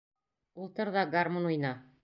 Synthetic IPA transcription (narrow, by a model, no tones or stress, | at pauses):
ulˠt̪ɤɾðɑɡarmonujnɑ